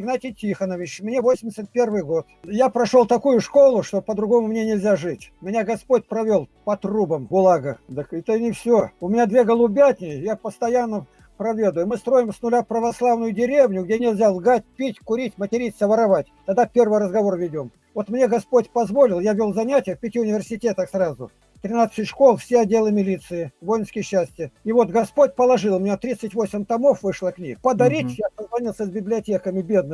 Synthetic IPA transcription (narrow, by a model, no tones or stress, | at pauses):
ɡnatʲɪjtʲixənəvʲɪt͡ɕmnʲevo̞sʲɪmʲdʲɪsʲət̪̚pʲervɨjɡo̞t̪japɾɐʂolˠt̪ɐkujʊʂko̞lˠʊʂt̪o̞pəd̪ɾʊɡo̞mʊmnʲe̞nʲɪlʲzʲaʐɨtʲmʲɪnʲaɡɐspo̞tʲpɾɐvʲo̞lˠpɐt̪rubəmɡʊlˠaɡəd̪əkɛt̪ənʲɪfsʲoʊmʲɪnʲad̪vʲe̞ɡəlˠʊbʲat̪ʲnʲɪjjapəst̪ɐjanːə | pɾɐvʲe̞d̪ʊjʊmɨst̪ɾo̞jɪmsnʊlʲapɾəvɐslˠavnʊjʊdʲɪɾʲevnʲʊɡ̚dʲenʲɪlʲzʲalˠɡatʲpʲitʲkʊɾʲitʲmətʲɪɾʲitʲsəvəɾɐvatʲt̪ɐd̪apʲe̞rvɨjɾəzɡɐvo̞rvʲɪdʲo̞m | vot̪mnʲe̞ɡɐspo̞tʲpɐzvo̞lʲɪlˠjavʲolˠzɐnʲætʲɪjəfpʲɪtʲiʊnʲɪvʲɪrsʲɪtʲe̞t̪əxsrazʊ̰ | t̪ɾʲɪnat̪sɨtʲʂko̞lˠfsʲeɐdʲːe̞lˠɨmʲɪlʲit̪sɨɪvo̞jɪnskəjɕːæsʲtʲɪəivo̞t̪ɡɐspotʲpəlˠɐʐɨlˠmʲɪnʲet̪ɾʲit̪sətʲvo̞sʲɪmʲt̪ɐmo̞fvɨʂlˠəknʲḭpəd̪ɐɾʲitʲjasəzvɐnʲilˠsʲəsʲbʲɪblʲɪɐtʲekəmʲɪbʲe̞d̪̚nɨ